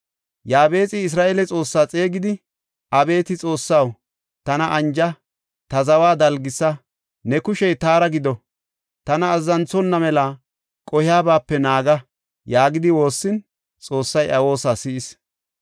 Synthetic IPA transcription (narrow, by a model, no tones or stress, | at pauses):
jaːbe̞ːt͡sʼɪːs̬ɾaːʔeːlɛt͡sʼo̞ːsːaːt͡sʼe̞ːɡɪd̪ɪ | ʔɐbe̞ːt̪ɪt͡sʼo̞ːsːaw | t̪ɐnɐʔɐnd͡ʒɐ | t̪ɐzɐwaːd̪ɐlɡɪsːɐ | nɛkʊʃɛjt̪aːɾɐɡɪd̪ɔ | t̪ɐnɐːzːɐnt͡sɔnːɐmɛla | kʼɔhɪjaːbaːpːɛnaːɡɐ | jaːɡɪd̪ɪwo̞ːsːɪn | t͡sʼo̞ːsːɐjʔɐwo̞ːsaːsɪʔɪs